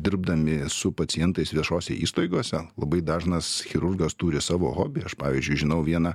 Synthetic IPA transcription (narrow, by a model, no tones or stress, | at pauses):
d̪ʲɪɾb̚d̪ɐmʲɪsʊpɐt͡s̪ʲɪjɛnt̪ɐɪsʋʲiɛʃoːsʲɛ̰iːst̪ɐɪɡoːsʲɛlˠɐbɐɪd̪ɑːʒnɐsxʲɪɾʊrɡɐst̪uːɾʲɪsɑːʋo̰ːɣoːbʲɪɐʃpɑːʋʲiːzʲd͡ʒʲʊɪʒʲɪnɐʊʋʲiɛnɐ